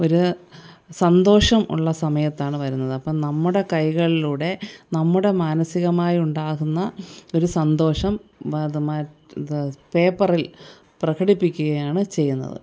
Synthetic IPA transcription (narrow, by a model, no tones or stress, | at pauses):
o̞ɾu | sɐnd̪o̞ːʂɐmʔṵɭːɐsɐmɐjɐt̪ːaːɳɨʋɐɾunːɐðɨɐpːɐːnɐmːuɽe̞kɐjɣɐɭiluːɽe̞nɐmːuɽe̞maːnɐsiɣɐmaːjiuɳɖaːɣunːɐo̞ɾusɐnd̪o̞ːʂɐmðma | peːpːɐril | prɐkɐɽipːikʲːuɣɐjaːɳɨt͡ɕe̞jːunːɐ̰ðɨ̰